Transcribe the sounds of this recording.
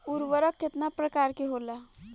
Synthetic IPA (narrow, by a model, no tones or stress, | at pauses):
uɾʋəɾəkːet̪napɾəkaɾkeɦola